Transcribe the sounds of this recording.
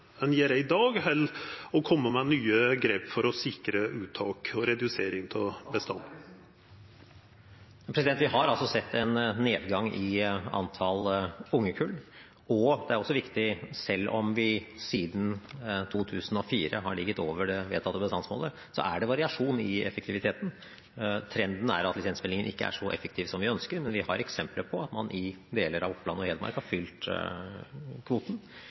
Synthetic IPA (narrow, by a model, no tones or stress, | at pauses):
mɛnjeːɾɛɪd̪ɑːɡhɛlɔkʰɔmːəmɛnyːəɡɾeːpfɔɾɔsɪkɾəʉːt̪ʰɑːkɔɾɛd̪ʉseːɾɪŋt̪ʰɪlbəst̪ɑnd̪ | pʰɾɛsɪd̪ɛnt̪ʋɪhɑɾɑlsɔsɛt̪ːɛnːeːd̪ɡɑŋɪɑ̰nt̪ʰɑlʊŋːəkʰʉl | ɔd̪ɛæɾɔsːɔʋɪkt̪ɪsɛlːʔɔmʋɪsiːd̪n̩t̪ʰuːt̪ʰʉːsn̩ɔfiːɾəɦɑɭɪɡːət̪oːʋəɖɛʋeːd̪ʰɑt̪ːəbəst̪ɑnsmo̰ːlə | sɔ̰ʔæɖɛʋɑɾɪɑʂuːnɪɛfək̚t̪ʰɪʋɪt̪ʰeːt̪n̩ | t̪ʰɾɛnd̪n̩æ̰ɾɑt̪lɪsɛnsmɛlɪŋənʔɪ̰kːəæ̰ʂɔʔɛ̰fək̚t̪ʰiːʋsɔmʋɪœnskəɾmɛnʋɪhɑɾɛksɛmpləpʰɔɑt̪mɑnʔɪd̪eːləɾɑʋʊpːlɑnːɔheːd̪ɾmɑ̰ɾkhɑfʏlt̪ | kʰʋuːt̪n̩